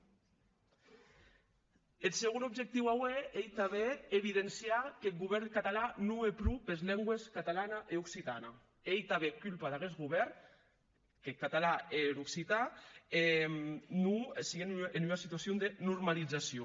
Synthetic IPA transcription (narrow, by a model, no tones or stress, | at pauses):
elseɣunubʒek̚t̪iwaweejt̪aβeeβiðensjakelɣuβɛɾnkat̪alanuepɾupezlɛŋɡweskat̪alanaʔeuksit̪ana | ejt̪aβekylpaðaɣezɣuβɛɾn | kekat̪alaeɾuksit̪aemnusiɣenenuasit̪uasjond̪enuɾmalid͡zasjo